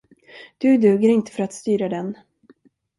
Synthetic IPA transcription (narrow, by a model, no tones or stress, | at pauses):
d̪̥ɵd̪ʉ̟ːɡəɾɪnt̪ə̥fœɾat̪st̪yːɾad̪ɛn